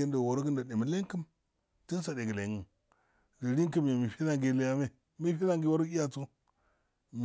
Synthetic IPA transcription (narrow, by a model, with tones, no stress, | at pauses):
i˦nda˨wo˨ɾɡi˦nda˨ɗe˨mi˨le˦ŋ˦kə˦m | ti˦n˦sa˨de˨ɡə˨le˨ŋɡə˨n | ɡi˨ɾi˦ŋ˦kə˦m˨a˨mi˨fi˦na˨ŋɡi˦˨li˦ja˦me˦˨ | mi˦fi˦na˦ŋɡi˨wo˦ɾɡi˦a˦˨t͡su˦ | m